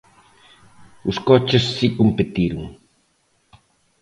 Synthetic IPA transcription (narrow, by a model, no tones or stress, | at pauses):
ʊskɔt͡ʃɪsːikompet̪iɾʊŋ